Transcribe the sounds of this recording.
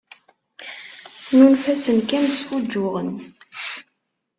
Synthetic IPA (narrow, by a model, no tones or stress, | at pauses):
nunfæsənkæmsfud͡ʒːʊʁən